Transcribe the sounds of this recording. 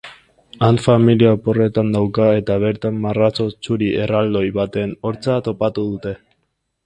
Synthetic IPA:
anfamiliapo̞re̞t̪and̪awkae̞t̪aβ̞e̞ɾt̪amːarat͡so̞t͡suɾie̞rald̪o̞jβat̪e̞no̞ɾt͡sat̪o̞pat̪uð̞ut̪e̞

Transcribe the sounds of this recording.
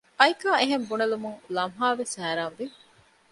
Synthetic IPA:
ʔɐjikaːeɦembunɐlumuŋlɐmɦaːʋesæːɾaːnʋi

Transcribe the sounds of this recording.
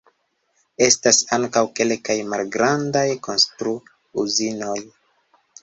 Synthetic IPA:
e̞stasaŋkawke̞lkajmalɡɾandajko̞nstɾu | uzino̞j

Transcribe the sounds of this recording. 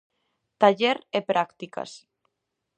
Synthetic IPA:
t̪aʎeɾepɾʔakt̪ika̰s

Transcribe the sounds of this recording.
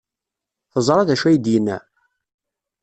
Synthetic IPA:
θəzˤɾˤɑðæʃæjəd̪jənːæ̰

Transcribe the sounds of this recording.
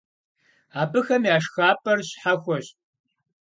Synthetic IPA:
aːbɨxɐmjaːʂxaːpʰʼɐrɕħaxʷɔɕ

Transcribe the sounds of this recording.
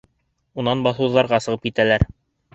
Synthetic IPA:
unɑnbɑθɤ̆wðːɑɾʁɑsɤ̆ʁɤpkit̪ælæɾ

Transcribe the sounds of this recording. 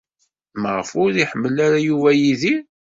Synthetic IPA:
məʁəfʊɾiħəmːəlaɾajuvæjiði

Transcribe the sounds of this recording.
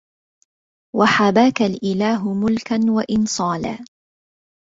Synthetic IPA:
waħabaːkalʔɪlaːɦʊmʊlkanwaʔɪnsˤɑːla̰ː

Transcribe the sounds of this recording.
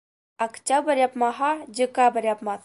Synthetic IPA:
ɐkt͡ʃabɐɾjapmaɦad͡ʒəkabɐɾʲjapmat̪

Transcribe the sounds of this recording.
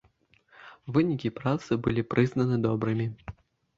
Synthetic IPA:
vɨnʲikʲipɾat̪sɨbɨlʲipɾɨznɐnɨd̪ɔbɾɨmʲi

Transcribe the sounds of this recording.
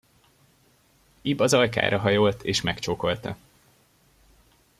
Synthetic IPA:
ibɒzɒjka̰ːɾʔɒɦɒjoːlt̪eːʃmɛkt͡ʃoːko̞lt̪ɒ̰

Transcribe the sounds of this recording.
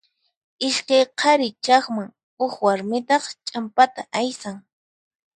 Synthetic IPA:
ɪʃkajqʰɑɾɪt͡ʃɑχmaŋ | ʊxwaɾmɪt̪ɑχt͡ʃʼampat̪aʔajsaŋ

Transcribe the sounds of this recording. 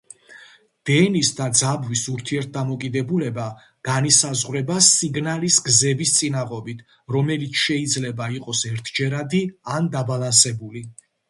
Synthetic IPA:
d̪̥ɛnisd̪ad̪zabwisuɾt̪ʰiɛɾt̪̚ʰd̪amɔkʼid̪ɛbulɛba | ɡ̥anisazʁwɾɛbasiɡnalisɡzɛbist̪sʼinaʁɔbit̪ʰ | ɾɔmɛlit̪sʰʃɛid̪zlɛbaiqʼɔsɛɾt̪ʰd͡ʒɛɾad̪iand̪abalˠansɛbuli

